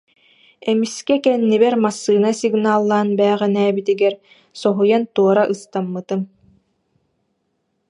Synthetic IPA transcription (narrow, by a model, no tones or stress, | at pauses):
ɛmiskɛkɛnːibɛɾmasːɯːnasiɡnaːlˠːaːnbɛːʁɛnɛːbit̪iɡɛɾ | sɔɦujant̪uɔɾaʔɯst̪amːɯt̪ɯm